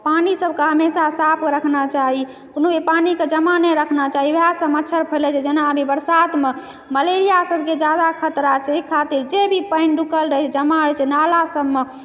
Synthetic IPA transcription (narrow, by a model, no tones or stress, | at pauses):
panisəbʱkeɦəmesasapʰɾəkʰnat͡ʃaɦi | konobʱipaniked͡ʒəmanəɾəkʰnat͡ʃaɦiʋɦasəmətːʃʰəɾpʰəlɛt͡ʃʰɛd͡ʒenaəbʱibəɾsat̪me | məleɾijasəbʱked͡ʒjad̪akʰət̪ɾat͡ʃʰɛikʰat̪iɾd͡ʒebʱipəɪnɖukəlɾəɦɛt͡ʃʰd͡ʒəmaɾɛt͡ʃʰɛnalasəbme